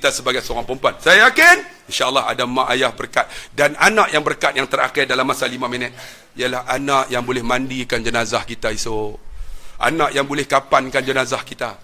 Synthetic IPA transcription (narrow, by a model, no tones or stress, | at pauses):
kit̪asəbaɡajsəoɾaŋpəmpansajajakɪninʃaʔəlːɑɦa̰damãʔajahbərkat̪̚dananãʔjaŋbərkat̪̚jaŋt̪əra̰kɪrdalamːasalimãmənɛt̪̚ | ialahanãʔjaŋbolɛhmãndikand͡ʒənazahkit̪aiso | a̰nãʔjaŋbolɛhkapankand͡ʒənazahkit̪a